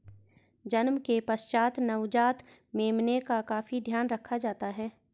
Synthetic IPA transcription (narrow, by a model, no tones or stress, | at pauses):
d͡ʒɐnmkepəst͡ʃaːt̪nɐwd͡ʒaːt̪ | meːmnekakaːfid̪ʱjaːnɾɐkʰːad͡ʒaːt̪aɦɛː